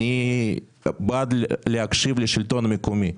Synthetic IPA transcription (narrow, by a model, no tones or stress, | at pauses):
i | bad̪lʲlʲɪakʂɨvlʲɪʂɨɪlʲt̪onmʲɪkʊmʲi